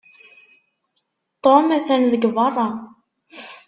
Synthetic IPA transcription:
t̪ˤomæθænðəɡvɑrˤːɑ

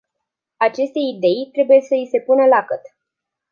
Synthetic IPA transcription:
at͡ʃe̞st̪e̞id̪e̞jt̪ɾe̞buje̞səise̞punəlakət̪

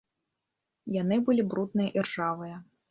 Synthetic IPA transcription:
janɨbɨlʲibɾut̪̚nɨjɐʔirʐavɨjɐ

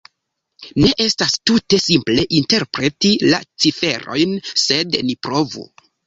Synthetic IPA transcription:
ne̞ʔe̞stastute̞simple̞ʔinte̞ɾpɾe̞tila̰t͡sife̞ɾo̞̰jnse̞dnipɾo̞vṵ

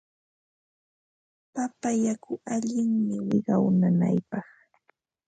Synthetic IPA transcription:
papajakʊʔaʎɪŋmɪwɪɢɑwnana̰jpɑχ

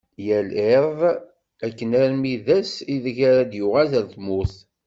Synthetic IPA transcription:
jæleɾðˤ | ækːənæɾmiðæsiðçæɾæd̪jʊʁæzəɾθmʊθ

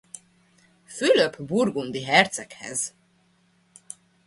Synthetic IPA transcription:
fyløpburɡund̪iɦɛrt̪sɛkhɛ̰z

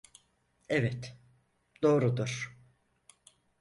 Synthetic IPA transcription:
ɛvɛt̪ | d̪̥o̞ːɾud̪uɾ̥

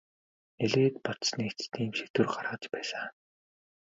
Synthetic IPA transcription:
eɮeːt̪pɔt̪snit͡st̪ʰiːmʃet̪ɘ̆rɢaɾʁəːt͡ɕpæːsaː

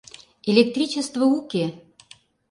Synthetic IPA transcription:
elʲek̚t̪rʲit͡ɕest̪vəukʲe

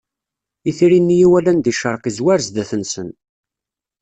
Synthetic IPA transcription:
iθiɾinːijiwælænd̪iʃəɾˤqizwæɾzd̪æθənsən

